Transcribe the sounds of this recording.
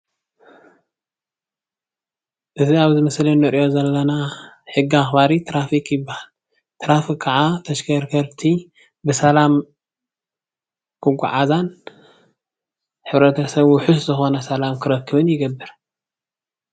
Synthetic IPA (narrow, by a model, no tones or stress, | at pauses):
ʔɨziaβzɨmɐslinɨɾjo̞zɐlːɐna | ħɨɡːiaxbaɾit̪ʰɾafikʰjɪbːahal | t̪ʰɾafikʰːaʕat̪ʰɐʃkɐɾkʰɐɾt̪ʰi | bɨsɐlam | kʰɨɡʷa̰ʕazan | ħɨβɾɐt̪ʰɐsɐβwʊħuszɨxo̞nɐsɐlamkʰɨɾɐkːɨβɨnjɪɡɐbːɨɾ